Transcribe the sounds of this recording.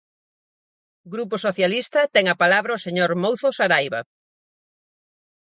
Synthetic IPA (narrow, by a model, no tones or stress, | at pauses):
ɡɾupʊsoθjalist̪ɐt̪ɛŋɐpalaβɾɐʊseɲoɾmowθosaɾajβɐ̰